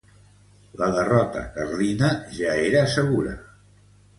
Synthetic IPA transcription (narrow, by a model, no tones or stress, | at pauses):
ləðərɔt̪ə̰kərðinəʒaeɾəːsəɣuɾə̰